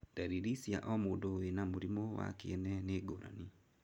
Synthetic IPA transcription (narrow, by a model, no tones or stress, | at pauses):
d̥aɾiɾisjaʔɔmoːndowenamuɾimowa̰kḛɛnɛneɡoɾa̰ni